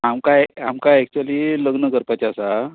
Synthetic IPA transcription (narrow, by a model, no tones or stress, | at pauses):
amkajamkaɛk̚t͡ɕualiːləɡnəkəɾpat͡ɕasa